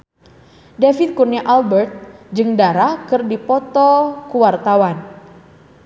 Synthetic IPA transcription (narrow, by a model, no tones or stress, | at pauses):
defit̪̚kurniaʔalbərt̪̚d͡ʒɨŋdaɾahkɨrdipɔt̪ɔkuwart̪awan